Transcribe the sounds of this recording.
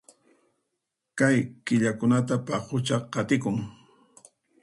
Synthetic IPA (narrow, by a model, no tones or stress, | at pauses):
kajkɪʎakʊnat̪apaqʊt͡ʃɑqɑt̪ɪkʊŋ